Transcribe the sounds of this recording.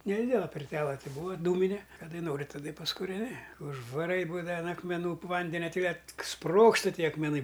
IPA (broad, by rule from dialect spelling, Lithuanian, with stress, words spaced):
nʲɛˈdʲɪdʲɛlˠɐ pʲɪrʲˈtʲæːlˠɐ ˈtʲɪ ˈbuːʋɐ ˈduːmʲɪnʲɛ kɐˈdɐɪ ˈnoːrʲɪ tɐˈdɐ ɪ pɐskʊrʲɛˈnʲɪ ʊʒʋɐˈrɐɪ ˈbuːdɐʋɐ ɐn ɐkmʲɛˈnuː ˈʋɐnʲdʲɛnʲɛ ˈtʲɪ kɐt ˈsproːkstɐ ˈtʲiɛ ɐkmʲɛˈnɐɪ